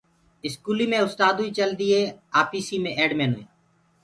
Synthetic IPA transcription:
ɪskuːliːmẽːʊst̪aːd̪uiːt͡ʃəld̪iːeːaːpiːsiːmẽːʔeːɖmẽːno̰ːḭː

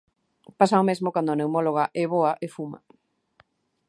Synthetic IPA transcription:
pasaomezmokand̪ʊanewmoloɣaʔɛβoaʔefuma̰

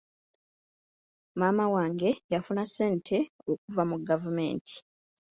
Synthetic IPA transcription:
maːmawaːŋɡe̞jafunasːe̞ːntʰe̞ok̚uvamuɡavume̞̰ːntʰi̥

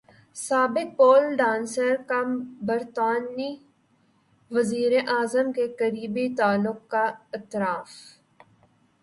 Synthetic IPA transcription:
saːbɪk̚poːlɖãːnsəɾkabɐɾt̪aːni | ʋɐziːɾeʔaːzəmkekəɾiːbit̪aːlːʊq̚kaɪt̪ɾaːf

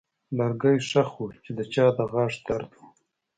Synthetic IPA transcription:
laɾɡəjʂaxut͡ʃed̪ət͡ʃɑːd̪əɣɑʂt̪aɾd̪u

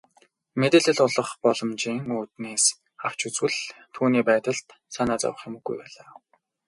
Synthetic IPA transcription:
met̪ĕːɮɘ̆ɮʊɮɞ̆χpɔɮɞ̆mt͡ɕiːŋuːt̪neːs | aw̥t͡ɕut͡swɘ̆ɮt̪ʰuːniːpæːt̪ə̆ɬt̪ | sanaːt͡sa̰wə̆χjemɘ̆ɡ̥ːujpæːɮaː

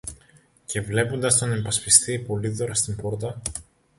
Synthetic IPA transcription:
ce̞vle̞pond̪ɐst̪o̞ne̞mpɐspist̪iːpo̞liðo̞ɾɐst̪impo̞ɾt̪ɐ

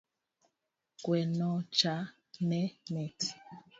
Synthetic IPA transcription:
kwɛnɔt͡ʃa | nɛmɛt

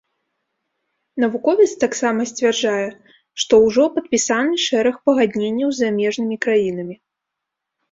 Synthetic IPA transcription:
nɐvukɔvʲit̪st̪aksamɐsʲt͡sʲvʲɛrʐajɛ | ʂt̪ɔwʐɔpɐt̪̚pʲisanɨʂɛɾɐxpɐɣad̪ʲnʲenʲːɐwzːamʲɛʐnɨmʲikɾajinɐmʲi

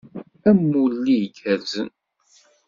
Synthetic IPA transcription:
æmːulːijɡæɾzə̰n

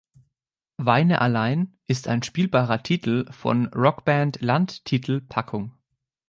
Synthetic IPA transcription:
vaɪnəʔalaɪnʔɪsta̰ɪnʃpiːlbaːʁɐtʰiːtl̩fɔ̰nʁɔkb̥ɛntlantʰːiːtʰl̩pʰakʰʊŋ

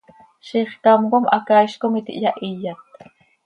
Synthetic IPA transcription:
ʃiχk̪ɑmɢomʔa̰kajʃkomit̪ḭʔjaʔijːat̪̚

